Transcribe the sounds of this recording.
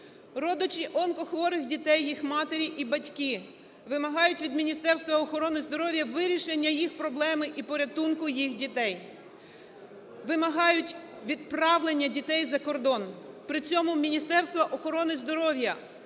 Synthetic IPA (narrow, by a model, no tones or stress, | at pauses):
rɔd̪ʊt͡ʃʲiʔɔnkɔxʋɔɾɪxdʲit̪ɛjːixmɑt̪eɾʲiʔibɐtʲki | ʋɪmɐɦɑjʊtʲʋʲid̪mʲinʲist̪ɛrst̪ʋɐɔxɔɾɔnɪzd̪ɔɾɔʋʲjɐʋɪɾʲiʃenʲːɐjixpɾɔblˠɛmɪʔipɔɾʲɐt̪unkʊjixdʲit̪ɛj | ʋɪmɐɦɑjʊtʲ | ʋʲid̪̚pɾɑʋlˠenʲːɐdʲit̪ɛjzɐkɔrd̪ɔnpɾɪt͡sʲɔmʊmʲinʲist̪ɛrst̪ʋɐʔɔxɔɾɔnɪzd̪ɔɾɔʋʲjɐ